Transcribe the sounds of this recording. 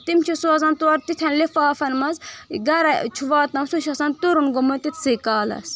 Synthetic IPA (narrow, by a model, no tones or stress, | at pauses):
t̪imt͡ʃʰisuɐzɐnt̪uɐɾt̪it̪ʰɐnlefaːfɐnmɐzɡɐɾɐt͡ʃʰuʋaːt̪ɐmsuʃɐsɐnt̪uɾunɡomɐnt̪it̪ʰsikaːlɐ̰s